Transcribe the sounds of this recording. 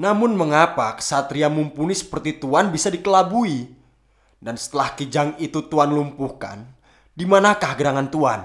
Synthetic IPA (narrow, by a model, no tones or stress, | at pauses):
namʊnməŋapaksat̪ɾiamumpunisə̥pərt̪it̪uanbisadikəlabui | dansə̥t̪əlahkəd͡ʒaŋit̪ut̪uanlumpuhka̰n | dimanakahɡəɾaŋant̪uan